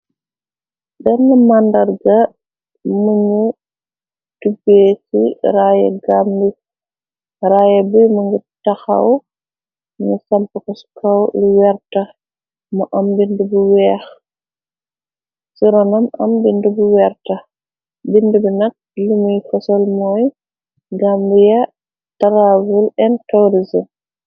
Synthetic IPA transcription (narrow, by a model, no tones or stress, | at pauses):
ɗɛnːɐmandɐɾɡɐ | muɲu | tubeːsḭɾaːjɛ̰ɡaːmdi | ɾaːjɛbimuŋɡitɐxɐ̰w | nisɐmpɐkɔskɐwliwɛrtɐ | mɐʔɐmbindubuwɛːx | siɾɔnɐmɐ̰mbindubuwɛrtɐ | bindubinɐk̚lumujfɔsɔlmɔːj | ɡaːmdijɐ | tɐɾavulɛnkɐwɾizɐ